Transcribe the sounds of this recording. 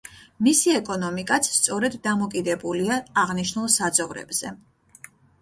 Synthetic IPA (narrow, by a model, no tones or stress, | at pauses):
misiɛkʼɔnɔmikʼat̪sʰst̪sʼɔɾɛd̪ːamɔkʼid̪ɛbuliaːʁniʃnulˠsad̪zɔvɾɛ̰bz̥ɛ